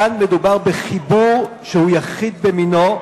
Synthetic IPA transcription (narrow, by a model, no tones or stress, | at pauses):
anmed̪ubaʁbeχibuʁ | ʃehujaχid̪bemino